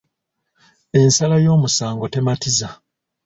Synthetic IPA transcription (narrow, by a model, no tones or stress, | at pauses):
e̞nsalajo̞ːmusaːŋɡo̞te̞matiza